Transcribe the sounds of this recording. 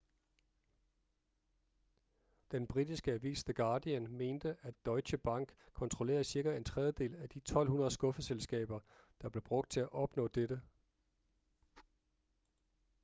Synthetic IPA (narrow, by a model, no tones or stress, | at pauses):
d̥enb̥ʁid̥isɡ̥əæʋḭːsd̥eɡ̥ɑ̈ːd̥iænme̝ːnd̥əʔæd̥ɒ̽ɪɕəb̥ɑ̈ŋ̰ɡ̥kʰɒ̽nt͡sʰʁole̝̰ːɐðˠsiɐɡ̥æe̝nt͡sʰʁɛð̞ˠjəd̥e̝̰ːlæd̥it͡sʰɒ̽l̰ɦunɐð̞̩ˠsɡ̥ɔ̽fəselsɡ̥ɛ̰ːb̥ɐd̥ɑ̈b̥le̝b̥ʁɔ̽ɡ̥̚d̥̚t͡sʰe̝æʔɒ̽b̥nɔ̰ːd̥ed̥ə